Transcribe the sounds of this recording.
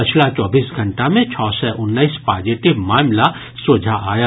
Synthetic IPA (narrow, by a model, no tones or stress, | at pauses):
pɐt͡ʃʰlat͡ʃɔːbiːsɡʱɐ̃ɳʈamẽt͡ʃʰɔːsɛʔʊnːəispaːd͡ʒɪʈɪʋmaːmla | sʊd͡ʒʱaʔaːja